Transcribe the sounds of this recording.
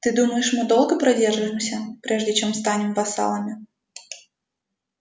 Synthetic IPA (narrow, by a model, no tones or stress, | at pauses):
t̪ɨd̪uməjɪʂmɨd̪o̞lˠɡəpɾɐdʲerʐɨɪmsʲəpɾʲeʐdʲɪt͡ɕemst̪anʲɪmvɐsa̰lˠəmʲɪ